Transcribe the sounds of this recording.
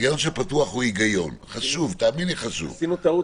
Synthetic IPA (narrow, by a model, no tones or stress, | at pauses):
ɡajonʃepat̪uaχhuiɡajo̞nχaʃuvt̪aːminliχaʃṵvsinut̪ɐu